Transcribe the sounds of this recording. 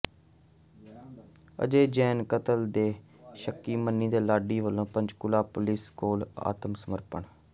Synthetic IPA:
ə̰d͡ʒeːd͡ʒɛːnkət̪əld̪eː | ʃəkːiːmənːiːd̪eːlaːɖiːʋəlːõːpə̃ɲd͡ʒkʊlaːpʊliːskoːla̰ːt̪əmsəməɾpəɳ

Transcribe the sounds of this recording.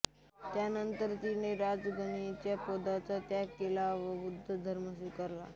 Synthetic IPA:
t̪janənt̪əɾt̪iñeɾad͡zɡʱənit͡ɕjapod̪at͡sat̪jakelaʋəʋud̪ʱːəd̪ʱəɾməɕikəɾla̰

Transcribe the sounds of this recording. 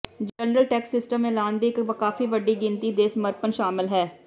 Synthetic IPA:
d͡ʒənɾəlʈɛːksɪsʈəmelaːnd̪iːkkaːfiːʋəɖiːɡɪnt̪iːd̪eːsməɾpənʃaːmɪlɦɛː

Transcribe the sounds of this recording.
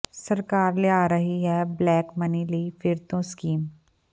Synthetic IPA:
sɐɾkaːɾleaːɾɐɦiɦɛblɛːkmɐnilifɪɾt̪õskiːm

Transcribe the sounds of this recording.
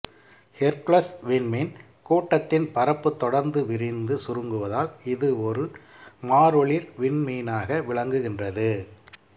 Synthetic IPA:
hɛɾkɭɐsʋɪnmin | kuːʈːɐt̪ːɪnpɐɾɐpːɯt̪ːɔɽɐɾnd̪ɯʋɪɾɪnd̪ɯsʊɾɯŋɡɯʋɐðaːlɪðɯɔɾɯ | maːɾɔɭiɾʋɪnmiːnaːɣɐʋɪɭɐŋɡɯɣɪndrɐðɯ

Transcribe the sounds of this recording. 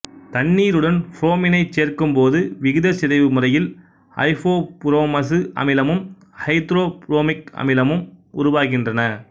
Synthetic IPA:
t̪ɐɳːiːɾɯɽɐnfɾoːmɪnɐɪt͡ʃːeːrkɯmpoːðɯʋɪɣɪðɐsɪðɐɪʋɯmɯrɐjɪl | ɐ̰ɪfoːpɾoːmɐs̬ɯɐ̰mɪlɐmɯm | hɐɪt̪ɾoːpɾoːmɪkɐ̰mɪlɐmɯmʊɾʊʋaːɣɪndrɐnɐ

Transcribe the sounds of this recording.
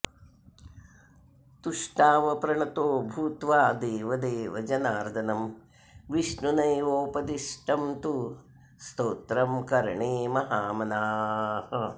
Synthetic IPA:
t̪uʂʈaːʋɐpɾɐɳɐt̪oːbʱuːt̪ʋaːd̪eːʋɐd̪eːʋɐd͡ʒɐnaːɾd̪ʱɐnɐm | ʋiʂnunɐjoːpɐd̪iʂʈɐmt̪u | st̪oːt̪ɾɐmkɐɾɳeːmɐɦaːmɐnaːhɐ

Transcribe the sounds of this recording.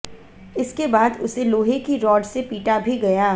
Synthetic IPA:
ɪskebaːd̪ʊseloːɦekiɾɔːɖsepiːʈabʱiɡɐjaː

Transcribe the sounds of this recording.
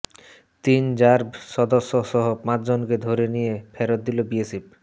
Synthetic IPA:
t̪ind͡ʑaɾbsɔd̪osːosɔɦopãt̪d͡ʑonked̪ʱoɾenijepʰɛɾot̪̚d̪ilobiesip̚

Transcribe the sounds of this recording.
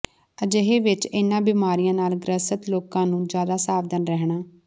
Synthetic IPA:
əd͡ʒəɦeːʋɪt͡ʃɪnãːbɪːmaːɾijãːnaːlɡɾəsət̪loːkãːnũːd͡ʒjaːd̪aːsaːʋd̪ənɾɛɦɳaː

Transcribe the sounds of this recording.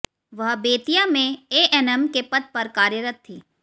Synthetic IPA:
ʋɐɦbeːt̪ijamẽeːʔɛnɛmkepɐd̪̚pɐɾkaːɾjəɾət̪ʰːiː

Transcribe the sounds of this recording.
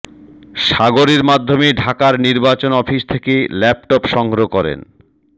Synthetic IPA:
ʃaɡoɾeɾmad̪ʱːomeɖʱakaɾniɾbat͡ɕonɔfiʃt̪ʰekelɛp̚ʈopʃɔŋɡɾokɔɾḛn

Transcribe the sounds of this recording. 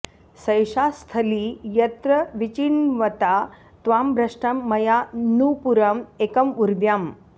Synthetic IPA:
sɐjʂast̪ʰɐlijɐt̪ɾɐʋit͡ɕiɳʋɐt̪a | t̪ʋambʱɾɐʂʈɐmːɐjanupuɾɐmekɐmuɾd̪jam

